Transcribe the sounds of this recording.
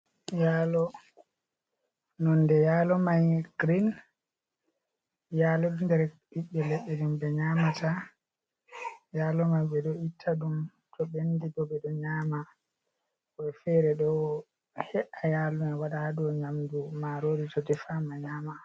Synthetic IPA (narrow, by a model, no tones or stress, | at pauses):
jaːlɔ | nɔndɛjaːlɔmajɡ̥ɾin | jaːlɔdundɛɾ | iɓːɛlɛɓːɛdumbɛɲaːmatʰa | jaːlɔmajbɛdɔitʰːaɗum | tɔbendibɔbɛɗɔɲaːma | ɔɛfɛɾɛɗɔ | hɛʔajalunɛwaɗadɔɲamdumaɾoɾitɔdɛfamaɲaːma